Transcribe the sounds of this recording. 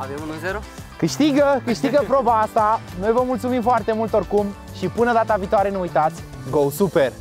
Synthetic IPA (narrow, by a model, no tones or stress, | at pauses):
avemunuzeɾokɨʃt̪iɡəkɨʃt̪iɡəpɾo̞baast̪anojvəmult̪sumimfoart̪e̞mult̪orkum | ʃipɨnəd̪at̪aviːt̪oaɾe̞neujt̪at̪sʲ | ɡo̞wsuper